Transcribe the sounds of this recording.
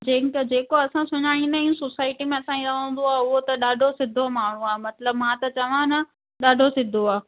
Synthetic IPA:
d͡ʑẽːkd͡ʑeːkoɐsãsʊɲaːɽ̃ĩnd̪aĩũsosaːɪʈimẽɐsãːĩɾɐʋə̃ːn̆d̪oaːɦʊɦot̪ɐɗaːɖʱosɪd̪ʱomaːɳ̤ũaːemɐt̪ləbmãːt̪ɐt͡ɕɐʋ̤ãnɐ | ɗaːɖʱosɪd̪ʱoaː

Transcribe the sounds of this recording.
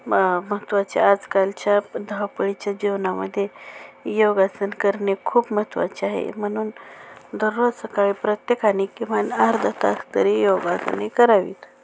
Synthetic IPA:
mət̪ʋat͡ɕḛad͡zkalt͡ɕjad̪ʱəwpəɭit͡ɕjad͡ʑiʋnaməd̪ʱːjejoɡat͡sənkəɾnekʰuːpmət̪ʋa̰t͡ɕeaɦḛm̤əɽ̃uːnd̪əɾʋosəkaɭiːpɾət̪jekanikːĩʋ̤anaɾd̪ʱət̪ast̪əɾijoɡat͡sə̰nekəɾaʋḭːt̪

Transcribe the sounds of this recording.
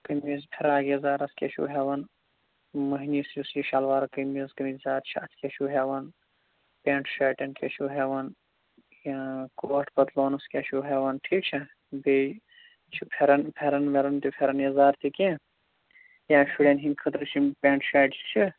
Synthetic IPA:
kəmiːzpʰeɾaːɡezaːɾɐskʲḛʃʰṵːɦeːʋɐn | mɐɦiniːsjusjiʃɐlʋaːɾkəmiːzɡɐmizaːɾt͡ʃʰiɐt͡sʰkʲeʃʰuːɦeʋɐn | pʲẽːɳʈʃaːʈɐnkʰet͡ʃʰuɦeʋɐn | jãːkoːʈʰbɐt̪loːnuskʲeʃʰuːɦeːʋɐnʈʰiːk̚t͡ʃʰi | be | t͡ʃʰipʰeɾɐnpʲʰeɾɐnmeɾɐnt̪ipʲʰeɾɐnjɐzaːɾt̪ikẽː | jãːʃʲiɽenɦinkʰɐt̪ɾɨt͡ʃʰipʲẽːɳʈʃaːʈt͡ʃʰt͡ʃʰi

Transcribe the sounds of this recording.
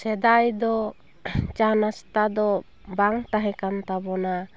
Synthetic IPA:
sɛd̪ajd̪ɔ | t͡ʃanast̪ad̪ɔ | baŋt̪aɦɛkant̪abɔna

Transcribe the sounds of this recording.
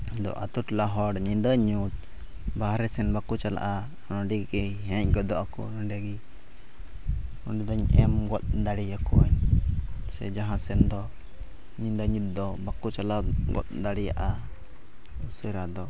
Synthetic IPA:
d̪ɔ̰ʔa̰t̪uʈlaɦɔɽɲind̪əɲut̪̚ | baɦɾɛsɛnbakut͡ʃala̰ʔa | nɔɖiɡɛɦɛ̃c̚ɡɔd̪ɔʔakṵnɔɳɖɛɡi | ɔɖid̪ɔɲɛ̰mɡɔt̪̚d̪aɽijakuaɲ | sɛ̰d͡ʒaɦãsɛnd̪ɔ | ɲindəɲut̪̚d̪ɔbakut͡ʃalaɡɔ̰t̪̚d̪aɽija̰ʔa | usəɾad̪ɔ

